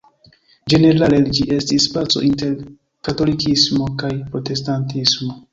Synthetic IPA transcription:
d͡ʒe̞ne̞ɾaleld͡ʒiʔe̞stispat͡so̞̰ʔinte̞ɾ | kato̞likismo̞kajpɾo̞te̞stantismo̞

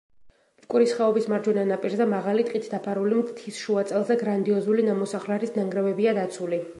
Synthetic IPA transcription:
kʼuɾisχɛɔbismaɾd͡ʒɛnanapʼiɾzɛmaʁalit̪ʼqʼit̪ʰd̪̥apʰaɾulimt̪ʰisʃuat̪sʼɛlˠzɛɡɾand̪iɔzulinamɔsaχlɛɾisnaŋɡɾɛvɛbiad̪at̪sʰuli

